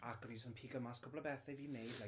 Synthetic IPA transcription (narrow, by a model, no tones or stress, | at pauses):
akənisənpʰiːɡəmaskʰʊbləbɛθejviːnejdla